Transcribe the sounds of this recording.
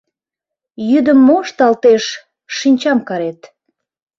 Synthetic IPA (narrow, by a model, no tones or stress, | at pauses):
jyd̪əmːoʃt̪ɑlt̪eʃ | ʃinʲt͡ɕɑmkɑɾet̪